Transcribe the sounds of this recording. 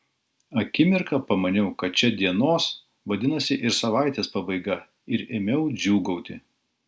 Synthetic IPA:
ɐkʲɪmʲɪɾkɐpɐmɐnʲɛʊkɐt̪̚t͡ʃʲɛd̪ʲiɛnoːs | ʋɐd̪ʲɪnɐsʲɪʔɪɾsɐʋɑˑɪt̪ʲeːspɑbɐɪɡɐ | ɪɾeːmʲɛʊd͡ʒʲuːɡɔʊt̪ʲɪ

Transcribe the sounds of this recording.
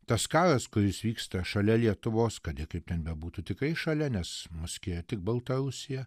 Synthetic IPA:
t̪ɐskɑːɾɐskʊɾʲɪsʋʲiːkst̪ɐʃɐlʲɛlʲiɛt̪ʊʋoːskɐt̪jɪkɐɪp̚t̪ʲɛnbʲɛbuːt̪uːt̪ʲɪkrɐɪʃɐlʲɛnʲɛsmʊsʲkʲɪjɛt̪ʲɪk̚bɐlˠt̪ɐɾʊsʲɪjɛ

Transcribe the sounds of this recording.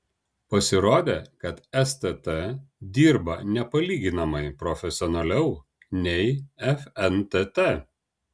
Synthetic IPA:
pɐsʲɪɾoːd̪ʲeːkɐt̪ɛst̪ʲɛt̪ɛd̪ʲiːɾbɐnʲɛpɐlʲiːɡʲɪnɐmɐɪpɾɔfʲɛsʲɪɔːnɐlʲɛʊ | nʲɛɪɛfɛnt̪ʲɛt̪ɛ

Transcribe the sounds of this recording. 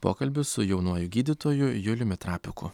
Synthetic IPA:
po̰ːkɐlʲbʲʊsʊjɛʊnuɔjʊɡʲiːd̪ʲɪt̪oːjʊjʊlʲʊmʲɛt̪ɾɑːpʲɪkʊ̰

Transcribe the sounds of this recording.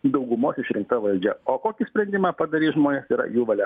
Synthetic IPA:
d̪ɐʊɡʊmoːsɪʃɾʲɪŋkt̪ɐʋɐlʲd͡ʒʲɛoːkoːkʲɪsʲpʲɾʲɛnʲd̪ʲɪmɑːpɐd̪ɐɾʲiːʒmoːnʲeːsiːɾɐ̰juːʋɐlʲɛ

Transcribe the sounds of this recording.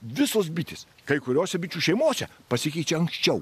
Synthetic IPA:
ʋʲɪsoːsbʲɪt̪ʲɪs | kɐɪkʊɾʲoːsʲɛbʲɪt͡ʃʲuːʃʲɛɪmoːsʲɛ̰pɐsʲɪkʲɛɪt͡ʃʲɛɐŋksʲt͡ʃʲɛʊ

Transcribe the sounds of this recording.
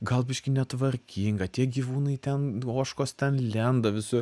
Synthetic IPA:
ɡɐlˠbʲɪʃʲkʲɪnʲɛt̪ʋɐrʲkʲiːŋɡɐt̪ʲiɛɡʲiʋuːnɐɪt̪ʲɛnoːʃkoːst̪ʲɛnlʲɛnd̪ɐʋʲɪsʊ

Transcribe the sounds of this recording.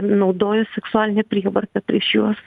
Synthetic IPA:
nɒʊd̪oːjʊsʲɛksʊaːlʲɪnʲɛpʲɾʲiɛʋɐɾʲt̪ɐpʲɾʲiɛʃjuɔs

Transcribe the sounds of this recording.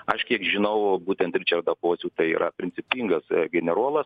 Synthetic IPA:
ɐʃkʲiɛkʒʲɪnɐʊbuːt̪ʲɛnt̪ɾʲɪt͡ʃʲɛɾd̪ɐpoːsʲuːt̪ɐɪḭɾʔɐpʲɾʲɪnʲt͡ssʲɪpʲiːŋɡɐsɡʲɛnʲɛɾuɔlˠɐs

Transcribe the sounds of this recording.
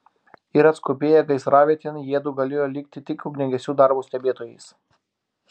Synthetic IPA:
ɪɾɐt̪skʊpʲeːjɛɡɐɪsɾɑːʋʲiːt̪ʲeːnjiɛd̪uːɡɐlʲeːjoːlʲɪkt̪ʲɪt̪ʲɪkʲuːkʲnʲɛɡʲɛsʲuːd̪ɑˑɾbuːsʲt̪ʲɛbʲeːt̪oːjɛɪs

